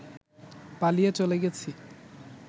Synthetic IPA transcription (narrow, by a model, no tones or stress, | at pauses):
palijet͡ɕoleɡet͡ɕʰi